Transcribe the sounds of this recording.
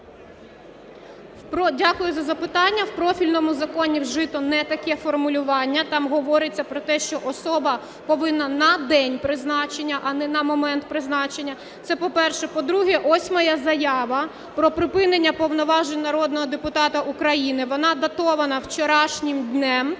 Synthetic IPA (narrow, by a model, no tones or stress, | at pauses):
pɔdʲakʊjʊzɐzɐpɪt̪ɑnʲːɐwpɾɔfʲilʲnɔmʊzɐkɔnʲiwʒɪt̪ɔnɛt̪ɐkɛfɔrmʊlʲʊʋɑnʲːɐt̪ɑmɦɔʋɔɾɪt͡sʲːɐpɾɔt̪ɛʃt͡ʃɔʔɔsɔbɐ | pɔʋɪnːɐnɐd̪ɛnʲpɾɪznɑt͡ʃenʲːɐʔɐnɛnɐmɔmɛnt̪̚pɾɪznɑt͡ʃenʲːɐ | t̪sɛpɔpɛrʃɛpɔd̪ɾuɦɛʔɔsʲmɐjɐzɐjɑʋɐ | pɾɔpɾɪpɪnenʲːɐpɔwnɔʋɑʒenʲnɐɾɔd̪̚nɔɦɔd̪epʊt̪ɑt̪ɐʔukɾɐjinɪʋɔnɑd̪ɐt̪ɔʋɐnɐwt͡ʃɔɾɑʃnʲɪmd̪ʲnɛm